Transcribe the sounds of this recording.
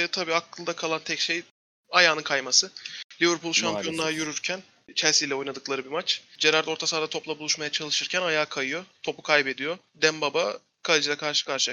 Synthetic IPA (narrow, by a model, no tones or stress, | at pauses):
t̪ʰabiːakʰlˠɯd̪akʰalˠant̪ʰɛcʃej | ajaːnɯnkʰajmasɯlʲiviɾpʰulˠʃampʰijo̞nlˠajyɾyɾcʰæn | t͡ʃʰæɾsijlʲɛo̞jnad̪ɯklˠaɾɯbimat͡ʃd͡ʒeɾaɾd̪o̞ɾt̪ʰasad̪at̪ʰo̞plˠabulˠuʃmajat͡ʃʰalˠɯʃɯɾcʰænajaːkʰajɯjo̞t̪ʰo̞pu̥kʰajbe̞d̪ijo̞ | d̪æmbaba | kʰalʲˠid͡ʒilʲɛkʰaɾʃɯ̥kaɾʃɯ